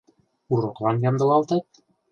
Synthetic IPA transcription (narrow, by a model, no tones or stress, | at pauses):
uɾoklˠɑnjɑmd̪ɤ̆lɑlˠt̪ɑt̪̚